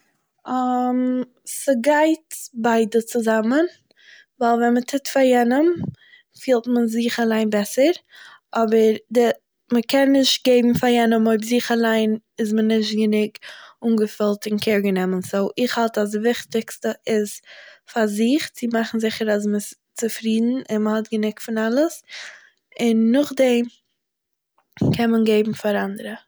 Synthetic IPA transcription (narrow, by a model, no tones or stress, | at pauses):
am | səɡaɪtbaɪdət͡sʊzamən | vaːlˠvɛnmətʰɪtfajɛnəm | fiːlˠtmənziːχalˠaɪnbɛsəɾʔɔbəɾdɪ | məkʰɛnːɪʃt̚ɡeɪbm̩faɾjɛnəmoɪbziːχalˠaɪnɪzmənɪʃ̬tɡənɪɡuːnɡəfɪlˠtɪnkʰɛɾɡənɛmənsoʊʔɪχhalˠtas̬dɪvɪχtɪkstəɪsfaɾzɪχt͡sɪmaχn̩zɪχəɾas̬məɪs | t͡sɪfɾiːdn̩ɪnməhɔtɡənɪkfɪnalˠəs | ɪnːʊχdɛm | kʰɛnmənɡeɪbm̩faɾandəɾə